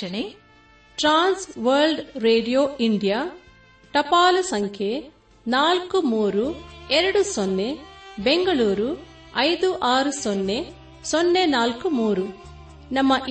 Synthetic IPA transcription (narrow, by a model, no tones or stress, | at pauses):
ɐne | ʈɾaːnsʋɐɾlɖɾeːɖijoːiɳɖijaː | ʈ̪ɐpaːlusɐŋkʰjeː | naːlkumuːɾuɛɾɐɽusonːebeŋɡɐluːɾu | ɐjd̪uʔaːɾusonːe | sonːenaːlkumuːɾu | nɐmːɐʔ